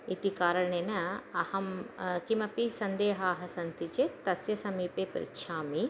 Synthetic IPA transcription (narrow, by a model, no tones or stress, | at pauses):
it̪ikaːɾɐɳ̃eːnɐɐhɐmkimɐpisɐnd̪eːɦaːɦɐsɐnt̪it͡ʃet̪ɐsjɐsɐmiːpeːpɾḭtʃʰaːmi